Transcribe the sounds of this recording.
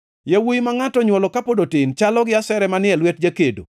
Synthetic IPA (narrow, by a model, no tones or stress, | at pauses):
jawujmaŋatɔɲwɔlɔkapodotɪnt͡ʃalɔɡɪasɛɾɛmanɪɛlwɛt̚d͡ʒakedo̰